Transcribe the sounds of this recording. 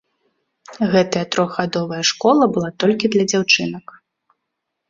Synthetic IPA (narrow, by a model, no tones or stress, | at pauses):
ɣɛt̪ɐjɐt̪ɾɔɣɣad̪ɔvɐjɐʂkɔlˠɐbɨlˠat̪ɔlʲkʲid̪lʲɐd͡zʲawt͡ʂɨnɐk